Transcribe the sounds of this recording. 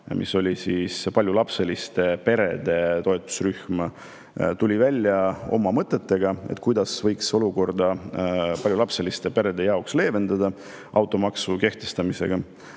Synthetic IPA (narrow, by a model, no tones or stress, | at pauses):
mʔḭsːo̞lʲisiːspɑlʲjulɑpse̞list̪e̞pe̞ɾe̞̰d̪̥e̞t̪o̞et̪ːˑu̥sryhmɑ | t̪ulʲivælʲːjɑo̞̰mɑmɤt̪ːˑe̞t̪ːˑe̞ɡ̥ɑe̞̰t̪̚ːˑkujd̪̥ɑsvɤjkso̞luko̞rd̪̥ɑpɑlʲjulɑpse̞list̪e̞pe̞ɾe̞d̪e̞jɑoksle̞ːve̞nd̪̥ɑd̪ɑ | ʔɑwt̪ːˑo̞mɑksuke̞ht̪e̞st̪ɑmise̞̰ɡ̥ɑ